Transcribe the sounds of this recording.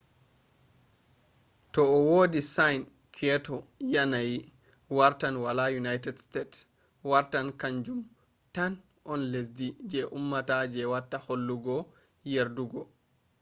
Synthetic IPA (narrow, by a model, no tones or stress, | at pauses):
tɔɔwoːdisajn | kʰɛtɔjanaji | waɾtanwalajunajtɛdstet | waɾtankaɲd͡ʒum | tan | ʔɔnles̬did͡ʒɛʔumːatad͡ʒɛwatːaholːuɡɔ | jeɾduɡɔ